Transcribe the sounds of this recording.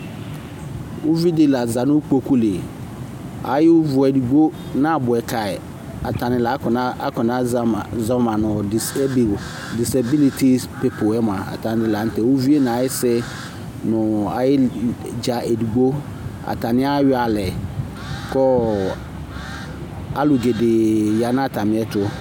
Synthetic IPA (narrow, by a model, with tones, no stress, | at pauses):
wʊ˦vi˦dɪ˦la˨za˨nʊ̃˦k͡po˦kʰu˦le˨ | a̰˨jɪ˦vʊ˨ɛ˨du˨ɡ͡bo˦ | nã˦a˨bʊ˨ɛ˨kʰa˨ɪ˨ | a˨tʰa˨nɪ̃˨la˨˦kna˦a˦kɔ˨nã˦a˦˨za˦mã˨nʊ̃˨ɔ˨s | di˨sa˨bi˦li˦tʰi˦pe˨pʰʊ˨ɛ˦m˨ã˨a̰˨tʰã˨nɪ̃˦dɪ˦la˨n̩˦tʰɛ˨wo˦vi˦e˦nã˨a˨jɪ˦sɛ˦ | nʊ̃˨a˨jɪ˦ | d͡ʑa˨e˨du˨ɡ͡bo˦ | a̰˨tʰã˨nɪ̃˦a˦ɥɪ˦a˨lɛ˨ | kʰɔ˦ | a˦lʊ˨ɡe˨dɪ˨ja˨nã˦a˨tʰa˨mɪ̃˦ɛ˦tʰʊ˦